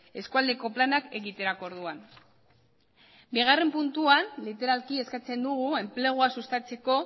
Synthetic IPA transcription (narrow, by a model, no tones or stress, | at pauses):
e̞skuald̪e̞ko̞planake̞ɣit̪e̞ɾakoɾð̞uan | biɣ̞are̞mpunt̪uanlit̪e̞ɾalkie̞skat͡se̞nd̪uɣue̞mple̞ɣ̞uasust̪at͡se̞ko̞